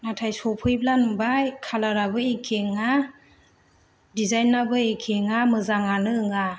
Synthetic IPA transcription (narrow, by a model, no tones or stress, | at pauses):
natʰajsɔpʰɯjblanbajkʰalaɾabɯekʰeŋa | dizajnabɯekʰeŋamɯzaŋanɯɯŋa